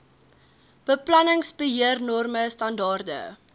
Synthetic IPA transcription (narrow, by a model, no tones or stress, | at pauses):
b̥əplɐnəŋsbəɦiərnɔrməstɐndɑːrdə̰